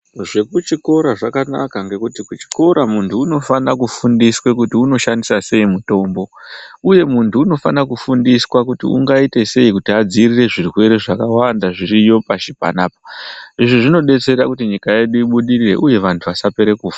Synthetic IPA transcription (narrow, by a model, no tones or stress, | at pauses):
ʐe̞kut͡ʃiko̞ɾaʐakana̰kaŋɡe̞kutikut͡ʃi̥ko̞ɾamuntʰuːno̞fanakufundiswe̞kutiuno̞ʃandisase̞imuto̞mbo̞uje̞muntʰuːno̞fanakufundiswakutḭṵŋɡaite̞se̞ikutiad͡zirire̞ʐirwe̞ɾe̞ʐakawandaʐiɾijo̞paʃipa̰naːp̚ḁiʐiʐino̞ɗe̞t͡se̞ɾakutiɲikaje̞ɗuiɓuɗirire̞̰ʔuje̞ʋantʰuʋasape̞ɾe̞kuːfa